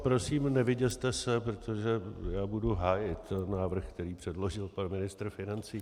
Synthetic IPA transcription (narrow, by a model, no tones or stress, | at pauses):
pɾo̞siːmnɛvɪɟɛst̪ɛsɛpɾot̪ʰo̞ʒɛjaːbuduɦaːjɪt̪naːvr̩xkt̪ɛɾiːpr̝̥ɛdlo̞ʒɪlpanmɪnɪst̪r̩fɪnant͡siː